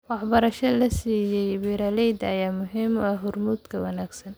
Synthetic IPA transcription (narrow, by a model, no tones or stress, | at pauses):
wɑħbɐɾɐʃɐlɐsiːjɛjbiːɾaːlɛjd̪ɐjaːmʊɦimɐɦʊrmuːd̪kʰɐwɐnaːɡsɐn